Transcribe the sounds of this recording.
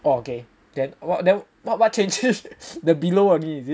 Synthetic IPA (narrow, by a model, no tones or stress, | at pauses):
ooke | dɛ̃nwɔdɛ̃n | wɔt̚wɔt̚t͡ʃẽnd͡ʒisdəbiloaniisi